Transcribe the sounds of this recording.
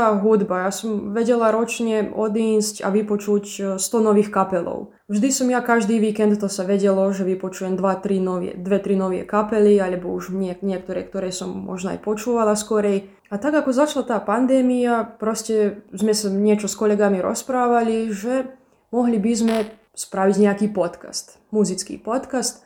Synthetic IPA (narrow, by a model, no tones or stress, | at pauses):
aːɦud̪bajasɔmʋɛɟɛlaɾɔt͡ʃɲɛɔd̪iːsca̰ʋipɔt͡ʃucst̪ɔnɔʋiːxkapɛlɔ̰ʊ | vʒd̪isɔmjakaʒd̪iːʋiːkɛnt̪t̪ːɔsaʋɛɟɛlɔʒɛʋipɔt͡ʃujɛmd̪ʋat̪ɾinɔʋɛ̰d̪ʋɛt̪ɾinɔʋɪɛ̰kapɛlialɛbɔuʒɲɪɛkɲɪɛk̚t̪ɔɾɛːkt̪ɔɾɛːsɔmːɔ̰ʒnɔa̰jpɔt͡ʃuːʋalaskɔɾɛj | at̪aɡakɔzat͡ʃlat̪aːpand̪ɛːmiapɾɔscɛzmɛsaɲɪɛt͡ʃɔskɔlɛɡamiɾɔ̰spɾaːʋaliʒɛ | mɔɦlibizmɛ | spɾaʋiɟɲɛakiːpɔt̪ka̰st̪ | muzit͡skḭːpɔt̪kast̪